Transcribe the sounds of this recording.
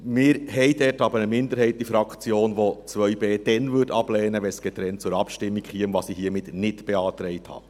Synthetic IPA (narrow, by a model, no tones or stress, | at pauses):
mɪːɾɦɛjdɛtɑbəɾəmɪndəɾhɛɪt̚d̥ifɾɑkt͡sjoːnʋot͡sʋœʏbeːd̥ɛnvʏtɑb̥lɛːnəʋɛnsɡ̥ɛt̪ɾɛnt̚t͡sʊɾɑpʃtɪmːikχiəmvɑsihiəmɪtnɪtb̥ɛɑːt̪ɾɛɪthɑ̰ː